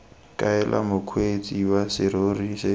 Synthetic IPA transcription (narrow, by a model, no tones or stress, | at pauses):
kʼaɛlʔa̰mʊkʰwet͡sʼiwasɪɾorisɪ